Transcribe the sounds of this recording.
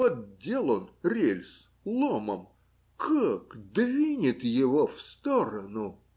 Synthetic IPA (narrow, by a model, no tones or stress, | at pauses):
ot̪̚dʲelˠonrʲelʲs | lˠomə̰m | kʰakd̪vʲinʲɪt̪jɪvofst̪oɾənʊ